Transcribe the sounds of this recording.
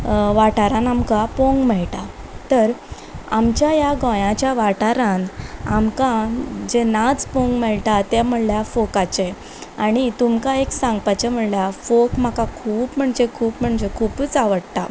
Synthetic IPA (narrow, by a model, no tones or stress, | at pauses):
ʋaʈaɾãnamkapõŋɡmɛɭʈat̪əɾ | amt͡ɕjajaɡɔ̃jãt͡ɕjaʋaʈaɾãnamkãd͡ʑenat͡spõŋɡmɛɭʈat̪ɛm̤əɽljafokat͡ɕe | aɽ̃it̪umkaeksãŋɡpat͡ɕam̤əɽljafokm̤akakʰuːpm̤əɳd͡ʑekʰuːpm̤əɳd͡ʑekʰuːpt͡saʋəɽt̪a̰